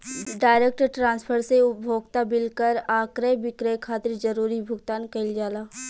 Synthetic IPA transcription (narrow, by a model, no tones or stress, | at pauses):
ɖaːɪɾek̚ʈʈɾãːnspʰəɾseʊbʱoːɡt̪abɪlkəɾaːkɾəbɪkɾəjkʰaːt̪ɪɾd͡ʒəɾuːɾibʱʊɡt̪aːnkɐɪld͡ʒaːlaː